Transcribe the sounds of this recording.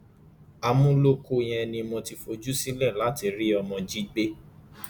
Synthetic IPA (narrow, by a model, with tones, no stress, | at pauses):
a˧mũ˦lo˦ko˧j̃ɛ̃˧nĩ˧mɔ̃˧ti˧fo˧d͡ʒu˦si˦lɛ˦˨la˨˦ti˧ɾi˦ɔ˧mɔ̃˧d͡ʒi˦ɡ͡be˦